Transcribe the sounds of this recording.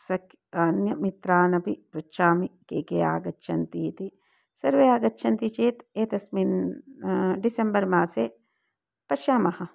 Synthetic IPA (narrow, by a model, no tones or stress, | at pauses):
sɐk | ɐnjɐmit̪ɾaːnɐpipɾɐtːʃaːmikeːkea̰ːɡɐːʃʰɐnt̪iːt̪i | sɐɾʋeaːɡɐtːʃʰɐnt̪it͡ʃeːt̪eːt̪ɐsmiːn | ɖisembɐɾmaːse | pɐʃaːmɐhɐ